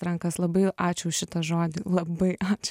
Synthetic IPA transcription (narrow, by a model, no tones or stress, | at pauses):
ɾɐŋkɐslˠɐbɐɪʔɑːt͡ʃʲʊʃʲɪt̪ɐʒoːd̪ʲɪlˠɐbɐɪʔɑːt͡ʃʲ